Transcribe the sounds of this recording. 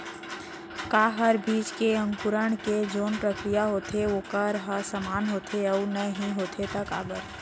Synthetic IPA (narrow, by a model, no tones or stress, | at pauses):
kaːɦəɾbʱiːd͡ʒkeə̃ŋkʊɾəɳ̃ked͡ʒoːnpɾəkɾijaɦoːt̪ʰeoːkəɾɦəɾsəmaːnɦoːt̪ʰeɔːnəɦĩɦoːt̪ʰet̪ɐka̰ːbəɾ